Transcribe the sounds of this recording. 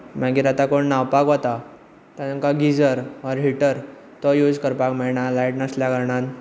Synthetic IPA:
m̤aɡiːɾat̪akoɳnawpakʋɔt̪a | t̪aəŋkaɡid͡zəɾɔɾɦiʈəɾ | t̪ɔjud͡zkəɾpakmɛɭɳalajʈnasljaɡəɾɳan

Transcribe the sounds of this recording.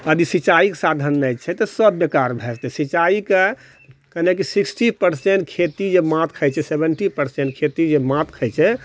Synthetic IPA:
əd̪isit͡ʃaikesad̪ʱənːɛt͡ʃʰɛt̪ɔsəbːekaɾbʱɛɾt̪ɛsit͡ʃaike | kənekisiksʈipəɾseɳʈ̚kʰet̪id͡ʒemãt̪̚kʰəjt͡ʃʰɛsebəɳʈipəɾseɳʈkʰet̪id͡ʒemãt̪kʰəjt͡ʃʰɛ

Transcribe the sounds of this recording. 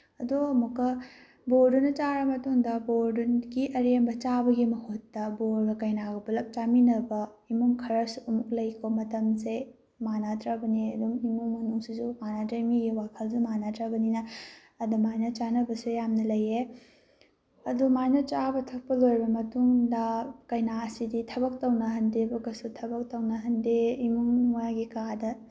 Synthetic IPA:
ɐdomukːɐ | boɾdunɐt͡ʃaɾɐmɐtuŋdɐboɾdunɡiʔɐɾembɐt͡ʃabɐɡimɐhotːɐboɾbɐkɐjnaɡɐbulɐp̚t͡ʃaminɐbɐ | imuŋkʰɐɾɐsuumuklɐjkʰomɐtɐmze | manatɾabɐniɐdumimuŋmɐnuŋsizumanadɾemiɡiwakʰɐlzumanatɾabɐninɐ | ɐdumajnɐt͡ʃanɐbɐsujamnɐlɐje | ɐdumajnɐt͡ʃabɐtʰɐk̚pɐlojbɐmɐtuŋdɐkɐjnaɐsiditʰɐbɐk̚tɐwnɐɦɐndebɐkɐsutʰɐbɐk̚tɐwnɐɦɐndeimuŋmojaɡikadɐ

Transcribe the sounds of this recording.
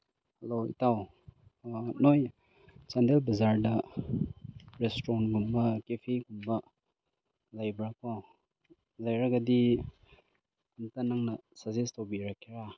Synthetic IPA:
heloḭtaw | noj | t͡ʃandelbɐzaɾdɐ | ɾestɾonɡumbɐkepʰiɡumbɐ | lɐjbɾakpaw | lajɾɐɡɐdi | ɐmtɐnɐŋnɐsɐzestowbiɾakʰːiɾa

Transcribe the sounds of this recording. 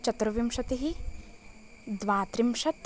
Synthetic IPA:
t͡ʃɐt̪ɾɐʋimʃɐt̪iɦi | d̪ʋaːt̪ɾimʃɐt̪

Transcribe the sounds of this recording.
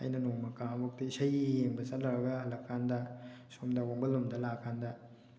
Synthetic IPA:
ɐ̰jnɐnoŋmɐkaɐbuk̚tɐisɐjijeŋbɐt͡ʃɐt̚lɐɾɐɡɐhɐlɐkʰːandɐsomdɐwaŋbɐlumdɐlakʰːandɐ

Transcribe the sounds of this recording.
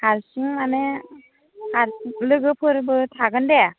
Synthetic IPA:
haɾsiŋmane | aɾlɯɡɯpʰɯɾbɯtʰaɡɯnde

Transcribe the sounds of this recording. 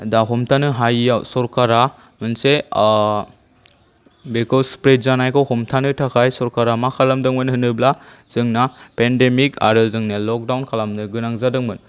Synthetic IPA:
daɦɔmtʰanɯɦajjawsɔɾkaɾa | mɯnse | bekɔlspɾet̚zanajkʰɔwhɔmtʰanɯtʰakʰajsɔɾkaɾamakʰalamdɯŋmɯnhɯnɯblaz̥ɯŋnapendemika̰ɾɯzɯŋnɯlɔk̚dawnkʰalamnɯɡɯnaŋzadɯŋbɯn

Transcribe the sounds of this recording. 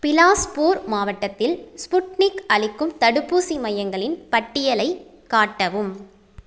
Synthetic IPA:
pɪlaːspuːɾmaːʋɐʈːɐt̪ːɪlspʊʈnɪkɐɭɪkːɯmt̪ɐɽɯpːuːsimɐjɐŋɡɐɭɪnpɐʈːɪjɐlɐɪ | kaːʈːɐʋɯm

